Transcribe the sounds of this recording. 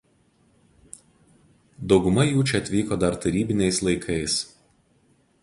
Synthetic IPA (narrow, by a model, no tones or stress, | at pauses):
d̪ɒʊɡʊmɐjuːt͡ʃʲɛɐt̪ʲʋʲiːkoːd̪ɐɾt̪ɐɾʲiːbʲɪnʲɛɪslˠɐɪkʰɐɪs